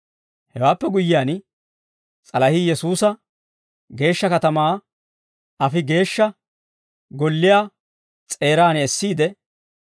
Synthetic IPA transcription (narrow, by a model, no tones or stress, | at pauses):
hɛwaːpːɛɡʊjːɪjaːn | t͡sʼɐlɐhijɛsuːsɐ | ɡe̞ːʃːɐkɐt̪ɐmaː | ɐfɪɡe̞ːʃːɐ | ɡɔlːɪjaː | t͡sʼe̞ːɾaːnɛɛsːiːd̪ɛ